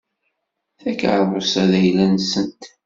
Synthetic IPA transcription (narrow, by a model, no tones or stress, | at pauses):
θækə̰ɾðˤosæðæjlænsənt̪